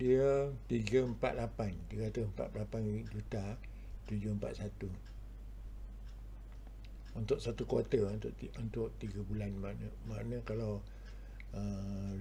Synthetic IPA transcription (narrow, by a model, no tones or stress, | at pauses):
diət̪iɡəmpa̰t̪lapant̪iɡat̪usəmpa̰t̪lapanid͡ʒut̪a | t̪ud͡ʒʊmpa̰t̪sat̪u | unt̪ʊʔsat̪ukat̪ənt̪ʔiunt̪ʊʔt̪iɡəbulanmaʔnəmaʔnəkalaw | ə